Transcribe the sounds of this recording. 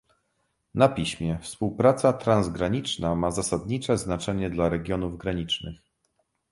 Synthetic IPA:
napʲiɕmʲjɛfspuwpɾat̪sat̪ɾanzɡɾaɲit͡ʂnamazasad̪ɲit͡ʂɛznat͡ʂɛɲɛd̪laɾɛɡʲjɔnuvɡɾaɲit͡ʂnɘx

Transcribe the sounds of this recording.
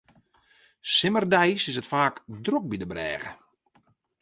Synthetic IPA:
sɪmərdɛjsɪsətfaːkdrok̚bidəbrɛ̰ːɣə̰

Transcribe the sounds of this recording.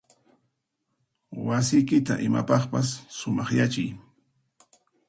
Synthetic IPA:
wasɪjkɪt̪a̰ʔɪma̰pɑχpasːʊmɑχjat͡ʃɪj

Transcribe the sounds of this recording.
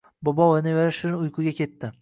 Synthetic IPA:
bɒbɒvanevaɾaʃɪɾʊjqʰʊɡʲakʲʰe̞t̪ːɪ

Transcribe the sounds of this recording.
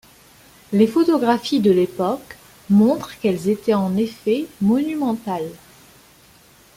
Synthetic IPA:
lefɔt̪ɔɡʁafid̪əlepɔk | mɔ̃t̪χkɛlzet̪ɛɑ̃nefɛmɔnymɑ̃t̪al

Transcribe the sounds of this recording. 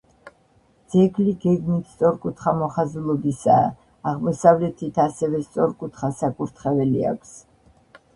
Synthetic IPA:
d̪z̥ɛɡliɡɛɡmit̪ʰst̪sʼɔɾkʼut̪ʰχamɔχazulˠɔbisa̰ː | ʁmɔsavlɛt̪ʰit̪ʰasɛvɛst̪sʼɔɾkʼut̪ʰχasakʼuɾt̪ʰχɛvɛlia̰kʷʰs

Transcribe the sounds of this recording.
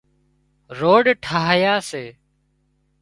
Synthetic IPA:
ɾoːɖʈʰaːɦjaːseː

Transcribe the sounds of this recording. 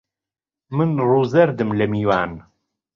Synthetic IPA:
mɨnruːzɐɾd̪ɨmlɐmiːwaːn

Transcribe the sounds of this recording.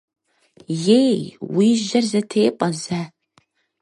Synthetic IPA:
jejwiːʒɐrzɐtʰeːqʼɐzaː

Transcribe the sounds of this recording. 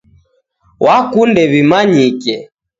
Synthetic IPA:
wʔakundɛβimaɲikɛ

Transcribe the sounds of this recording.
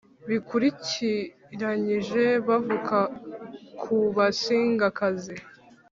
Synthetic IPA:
βikuɾici | ɾaɲiʒe̞βavuka | kʰuβasiːŋɡakazi

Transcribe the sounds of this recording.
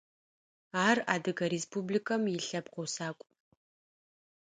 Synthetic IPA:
aːra̰ːdɨɡɐɾeːspʰublikʰɐmjɪɬɐbqowsaːkʷʼ

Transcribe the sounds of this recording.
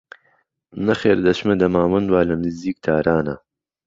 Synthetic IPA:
nɐxeːɾd̪ɐʃmɐd̪ɐmaːmɐnd̪waːlɐmziːk̚t̪ʰaːɾaːnɐ̰

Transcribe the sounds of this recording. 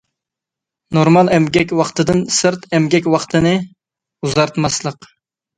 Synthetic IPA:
noɾmɑlˠɛmɡʲɛkʲwɑχt̪ɨd̪ɨnsɨɾt̪ɛmɡʲɛk̬ʲwɑχt̪ʰɨnɨ | uzɑɾt̪mɑslˠəq

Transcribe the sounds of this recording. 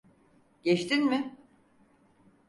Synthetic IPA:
ɟɛt͡ʃt̪inmɪ

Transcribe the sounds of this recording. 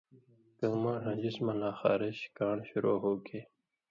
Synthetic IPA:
kəmãːɦɐ̃d͡ʑismɐlaːxɑ̰ːɾeɕkaːɳɕuɾoːɦoːkʰe

